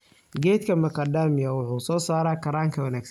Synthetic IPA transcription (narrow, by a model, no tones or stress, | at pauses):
ɡɛːt̪kʰɐmɐkʰɐd̪aːmɪjɐwʊħuːsɔːsaːɾaːkʰɐɾaːŋkʰɐwɐnaːɡs